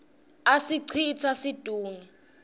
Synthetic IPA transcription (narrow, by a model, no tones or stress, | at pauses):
asiǀʰit͡sʰasid̥ʱuːŋɛ